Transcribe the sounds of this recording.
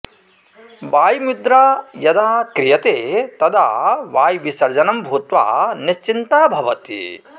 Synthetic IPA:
ʋaːjmid̪ɾaːjɐd̪aːkɾijɐt̪eːt̪ɐd̪aːʋaːjʋisɐɾd͡ʒɐnɐmbʱuːt̪ʋa̰ːniʃt͡ʃint̪aːbʱɐʋɐt̪ḭ

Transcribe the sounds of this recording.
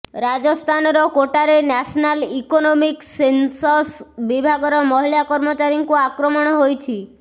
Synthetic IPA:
ɾad͡ʒɔst̪ʰanɔɾɔkoʈaɾenasnalikonɔmiksensɔsbibʱaɡɔɾɔmɔɦilakɔɾmɔt͡ʃaɾiŋkuakɾɔmɔɽ̃ɔɦojt͡ʃʰi

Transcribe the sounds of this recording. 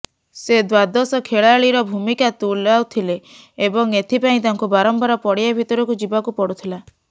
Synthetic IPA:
sed̪wad̪ɔsɔkʰeɭaɭiɾɔbʱumikat̪ulawt̪ʰileː | bɔŋet̪ʰipaĩt̪aŋkubaɾɔmpaɾɔpɔɽijabʱit̪ɔɾɔkud͡ʒibakupɔɽut̪ʰila

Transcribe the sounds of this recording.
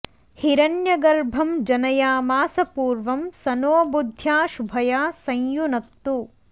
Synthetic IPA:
hiɾɐnjɐɡɐɾbʱɐmd͡ʒɐnɐjaːmaːsɐpuːɾʋɐmsɐnoːbud̪ʱjaːʃubʱɐjaːsɐ̃jjunɐt̪ːu

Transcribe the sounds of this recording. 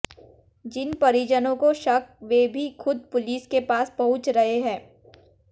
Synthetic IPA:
d͡ʒɪnpɐɾiːd͡ʒənõkoʃɐkʋeːbʱixʊd̪̚pʊliːskepaːspɐɦʊ̃t͡ʃɾɐɦeɦɛ̃ː

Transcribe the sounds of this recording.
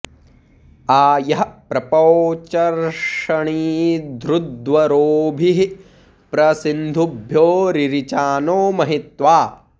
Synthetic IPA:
aːjɐɦɐpɾɐpoːt͡ʃɐɾʂɐɳiːd̪ɾud̪ʋɐɾoːbʱiɦi | pɾɐsind̪ʱubʱjoːɾiɾit͡ʃaːnoːmɐɦit̪ʋaː

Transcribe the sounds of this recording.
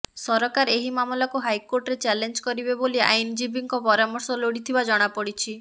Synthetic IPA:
sɔɾɔkaɾeɦimamɔlakuɦajkoɾʈɾet͡ʃɛlend͡ʒkɔɾibebolia̰jnd͡ʒibiŋkɔpɔɾamɔɾsɔloɽit̪ʰibad͡ʒɔɽ̃apɔɽit͡ʃʰi

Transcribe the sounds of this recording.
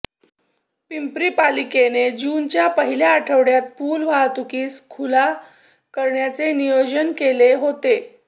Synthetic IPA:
pimpɾiːpalikened͡ʑuːnt͡ɕjapəɦiljaːʈʰəʋɽjat̪̚puːlʋat̪ukiːskʰula | kəɾɳjat͡senijod͡ʑənkeleɦot̪e

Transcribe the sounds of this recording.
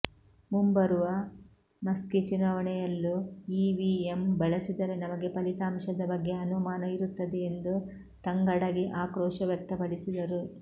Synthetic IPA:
mumbɐɾuʋɐ | mɐskit͡ʃunaːʋɐɳɛjɐlːuiːʋiembɐɭɐsid̪ɐɾe̞nɐmɐɡe̞pɐlit̪aːmʃɐd̪ɐbɐɡːe̞ɐnumaːnɐiɾut̪ːɐd̪eend̪u | t̪ɐŋɡɐɽɐɡiʔaːkɾɔːʃɐʋjɐk̚t̪ɐpɐɽisid̪ɐɾu

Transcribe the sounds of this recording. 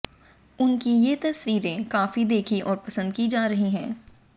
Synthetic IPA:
ʊnkijet̪ɐswiːɾẽkaːfid̪eːkʰiʔɔːɾpɐsə̃nd̪̚kid͡ʒaːɾɐɦiɦɛ̃ː

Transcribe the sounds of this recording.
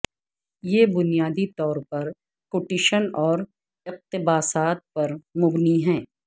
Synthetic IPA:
jeːbʊnijaːd̪it̪ɔːɾpɐɾ | kʊʈɪʃənɔːɾ | ɪq̚t̪ɪbaːsaːt̪̚pɐɾmʊbniɦɛ̃ː

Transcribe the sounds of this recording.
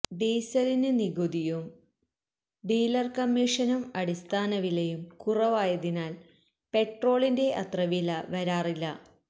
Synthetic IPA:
d̪eːsɐlinɨniɣud̪ijum | ɖiːlɐrkɐmːiːʂɐnumɐɽist̪ʰaːnɐʋilejumkurɐʋaːjɐðinaːl | pe̞ʈro̞ːɭinde̞ʔɐt̪rɐʋilɐʋɐɾaːrilːɐ

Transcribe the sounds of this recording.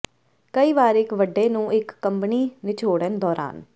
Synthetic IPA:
kəiːʋaːɾɪkʋəɖeːnũːɪkːəmpniːnɪt͡ʃʰoːɽənd̪ɔːɾa̰ːn

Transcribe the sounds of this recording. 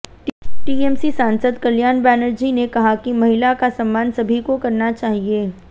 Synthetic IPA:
ʈiːɛːmsisaːnsəd̪kɐljaːnbɛːnəɾd͡ʒinekɐɦakimɐɦɪlakasɐ̃mːaːnsɐbʱikokɐɾnat͡ʃaːɦieː

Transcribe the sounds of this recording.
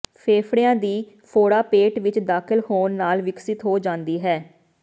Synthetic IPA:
pʰeːpʰɽijãːd̪iː | pʰoːɽaːpeːʈʋɪt͡ʃd̪aːkʰɪlhoːnːaːlʋɪksɪt̪ɦoːd͡ʒãːnd̪iːɦɛː

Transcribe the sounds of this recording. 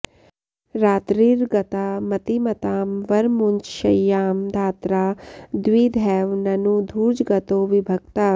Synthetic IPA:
ɾaːt̪ɾiːɾɡɐt̪aːmɐt̪imɐt̪aːmʋɐɾmuɲt͡ʃʃɐjːaːmd̪ʱaːt̪ɾaːd̪wiːd̪ʱɛːʋnɐnud̪ʱuːd͡ʒɡɐt̪oːʋibʱɐɡ̚t̪aː

